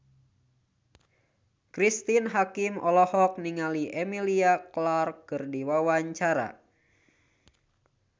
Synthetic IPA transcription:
kɾist̪inɦakimɔlɔhɔk̚niŋaliʔɛmiliaklarkɨrdiwawaɲt͡ʃaɾa̰

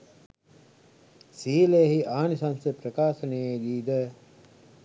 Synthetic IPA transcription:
siːleɦiʔaːnisansepɾɐkaːsɐneed̪iːd̪ə

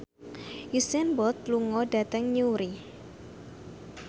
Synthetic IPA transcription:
jusɛnbɔt̪̚luŋɔɖat̪əŋɲuɾi

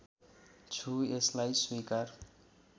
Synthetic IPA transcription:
t͡ʃʰueslajswikəɾ

